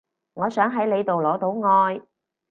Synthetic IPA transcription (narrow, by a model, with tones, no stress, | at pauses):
ŋɔː˨˧sœː˨˥ŋɦɐ˨˥jle˨˧jt̪o˨wlɔː˨˥t̪o˨˥wŋɔː˧j